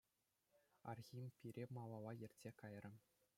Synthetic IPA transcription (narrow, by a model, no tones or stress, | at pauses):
ɑ̰rɣʲimʲpʲiɾʲemɑlˠɑlˠɑjɘ̆rʲtʲsʲekɑjrʲɘ̆